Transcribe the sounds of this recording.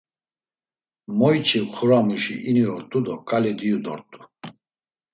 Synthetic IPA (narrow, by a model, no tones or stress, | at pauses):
mɔjt͡ʃʰʼiχʰuɾamuʃiʔiniɔɾt̪ʼud̪ɔkʼalɛd̪iud̪ɔ̰ɾt̪ʼu̥